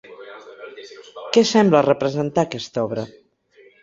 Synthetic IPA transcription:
kɛsɛmblərəpɾəzənt̪akɛst̪ɔβɾə

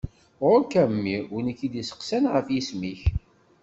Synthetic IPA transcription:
ɾʊkæmːiunəkːid̪isə̥qsænʁəfjismiç

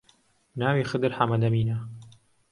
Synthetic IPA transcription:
naːwiːxɨd̪ɨɾħamɐd̪ɐmiːna

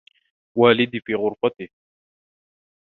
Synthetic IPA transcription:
waːlɪd̪ifiːɣʊɾfat̪ɪ

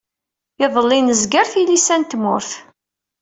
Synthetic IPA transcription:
ɪðˤəlːinəzɡəɾθilisænt̪mʊɾθ

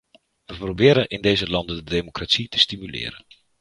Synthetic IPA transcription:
ʋəprobɪːɾəʔɪndejzəlɑndədədemokratsitə̥stimylɪ̰ːɾən

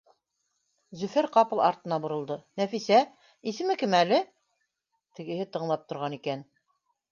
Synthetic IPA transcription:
zɵfɘɾqɑpɤ̆lˠɑ̰ɾt̪ɤ̆nɑbŏɾɤ̆lˠd̪ɤnæfisæ | isɘ̆mɘkɘmælɘ | t̪ɘ̆ɡɘ̆ɦɘt̪ɤ̆ɴlˠɑp̚t̪ŏɾʁɑnikæn

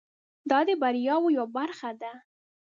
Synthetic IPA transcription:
d̪ɑd̪əbaɾjɑwojwabaɾxad̪a

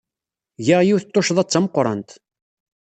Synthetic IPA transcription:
ʝəʁjiwθət̪ˤːoʃðˤɑt͡sːɑməqːɾˤɑ̰nt̪

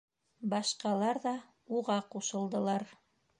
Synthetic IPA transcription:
bɑʃqɑlˠɑɾðɑ | uʁɑquʃɤ̆lˠd̪ɤ̆lˠɑɾ

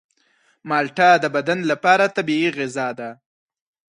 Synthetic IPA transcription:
mɑlʈɑd̪əbad̪anlapɑɾat̪abiiɣɪzɑd̪a

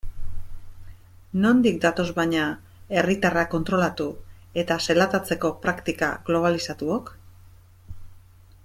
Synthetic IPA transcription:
no̞nd̪ik̚d̪at̪o̞zβaɲa | e̞rit̪arako̞nt̪ɾo̞lat̪u | e̞t̪aselat̪at͡se̞ko̞pɾakt̪ika̰ɣlo̞β̞alisat̪uok

